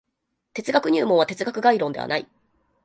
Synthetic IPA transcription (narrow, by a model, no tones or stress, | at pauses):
t̪e̞t͡sɨɡakɯ̟ɲ̟ɨːmõ̞ɰ̃βat̪et͡sɨɡakɯ̟ɡaiɾõ̞nd̪e̞a̰na̰ḭ